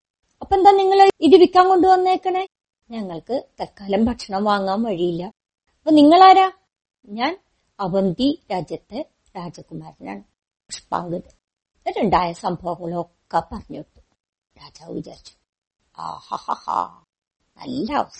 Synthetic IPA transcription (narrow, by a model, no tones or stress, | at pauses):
ɐpːoed̪aːniŋːɐɭiðiʋikʲːaːŋko̞ɳɖuʋɐnːeːkːɐɳe | ɲɐŋːɐɭkɨt̪ɐlkaːlɐmbʱɐʈʂɐɳɐmʋaːŋːaːmʋɐɻijilːɐ | ɐpːoniŋːɐɭaːɾaː | ɲaːn | ɐbɐnd̪iɾaːd͡ʑjɐt̪ːe | ɾaːd͡ʑɐkːumaːɾna̰ːɳɨ | pɐʂpa̰ːŋɡɐðɨ | ɾeɳɖaːjɐsɐmbʱɐʋɐŋːɐɭokːɐpɐrɐɲːuʈːu̥ | ɾaːd͡ʑaːʋḭt͡ɕɐ̰rit͡ɕːu̥ | a̰ːha̰ha̰ha̰ | nɐ̰lːaʋɐs